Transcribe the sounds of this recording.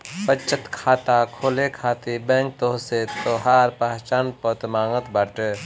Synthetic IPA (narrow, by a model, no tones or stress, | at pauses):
pət͡ʃʰət̪kʰaːt̪akʰoːlekʰaːt̪ibɛ̃ːŋk̚t̪oːɦset̪oːɦaːɾpaːɦt͡ʃaːnpoːt̪maːŋət̪bəʈ